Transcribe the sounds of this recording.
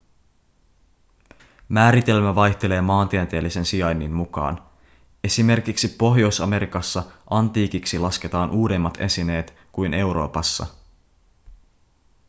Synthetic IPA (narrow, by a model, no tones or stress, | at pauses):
mæːɾit̪e̞lmæʋɑjçt̪e̞le̞ːmɑːnt̪iæt̪eːlːisensiɑjnːinmukɑ̰ːn | e̞sime̞rkiksipo̞ɦjo̞jsɑme̞ɾikɑsːɑʔɑnt̪iːkiksilɑske̞t̪ɑːnʔuːde̞mːɑt̪e̞̰sine̞ːt̪ | kujne̞wɾo̞̰ːpɑsːɑ̰